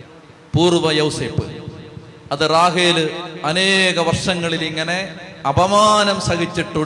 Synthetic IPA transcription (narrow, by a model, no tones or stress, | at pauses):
puːrʋɐjɐwseːpːɨ̰ | ɐðɨraːɦeːlɨɐneːɣɐʋɐrʂɐŋːɐɭiliŋːɐne̞ɐbʱɐmaːnɐmsɐɣit͡ɕːiʈːu